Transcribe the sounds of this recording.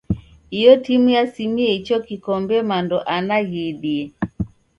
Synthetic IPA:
ijɔtimujasimiɛit͡ʃɔkikɔmbɛmandɔʔanaɣiɗiɛ

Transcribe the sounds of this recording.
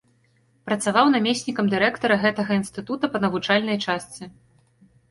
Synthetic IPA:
pɾɐt̪savawnamʲesʲnʲikɐmd̪ɨɾɛkt̪ɐɾɐɣɛt̪ɐɣɐinst̪ɨt̪ut̪ɐpɐnɐvut͡ʂalʲnɐjt͡ʂast̪sʲɨ

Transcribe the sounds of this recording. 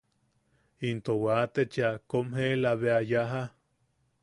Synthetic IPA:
int̪owat̪et͡ʃiakomɦelaβeajaɦa

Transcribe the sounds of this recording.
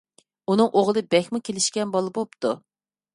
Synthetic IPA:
unɨŋʔoʁlˠɨbɛxʲmukʲʰelɪʃkʲɛnbɑlˠɨbop̚t̪ʰu

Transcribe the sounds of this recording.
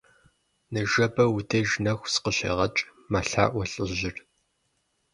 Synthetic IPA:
nɨʒɐbɐwudɐʒnɐxʷsqəɕḛːʁɐt͡ʃʼ | maɬa̰ːʔʷɔɬʼɨʑɪr

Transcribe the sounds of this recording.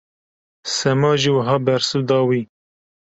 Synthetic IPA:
sɛmɑːʒiwəɦɑːbɛɾsuːd̪ɑːwiː

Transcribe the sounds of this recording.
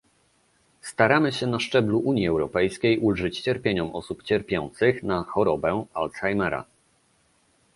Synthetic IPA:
st̪aɾamɘɕɛnaʂt͡ʂɛbluʔuɲjiɛwɾɔpɛjskʲejʔulʐɘt͡ɕt͡ɕɛɾpʲjeɲɔmʔɔ̰supt͡ɕɛɾpʲjɔ̰nt̪sɘxnaxɔɾɔbɛalt̪sxajmɛɾa̰

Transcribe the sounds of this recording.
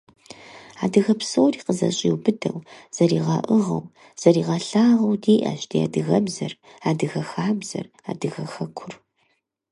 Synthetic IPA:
aːdɨɣɐpsowriːqəzɐ̰ɕʼiwbɨdɐwz̥ɐɾiːʁɑːʔɨʁɐ̰w | z̥ɐriːʁɐɬaːʁɐwdiːʔɐ̰ʃtʰia̰ːdɨɣɐbzɐr | aːdɨɣɐxaːbz̥ɐ̰r | a̰ːdɨɣɐxɐkʷʰʊr

